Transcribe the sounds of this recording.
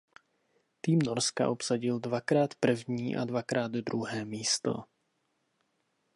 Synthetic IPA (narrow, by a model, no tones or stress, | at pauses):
t̪iːmnoɾska̰ʔo̞psaɟɪldvakɾaːt̪pr̩vɲiːʔa̰dvakɾaːd̪dɾuɦɛːmiːst̪o̞̰